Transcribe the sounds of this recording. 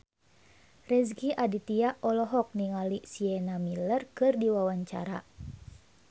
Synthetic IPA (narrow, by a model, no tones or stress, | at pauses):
rɛs̬ɡiʔadit̪iaʔɔlɔɦɔk̚niŋalisiɛnamilərkɨrdiwawaɲt͡ʃa̰ɾa